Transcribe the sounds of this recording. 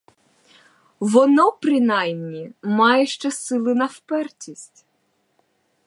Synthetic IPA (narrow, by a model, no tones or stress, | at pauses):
ʋɔnɔpɾɪnɑjmnʲimɑjɛʃt͡ʃɛsɪlˠɪnɐwpɛrtʲisʲtʲ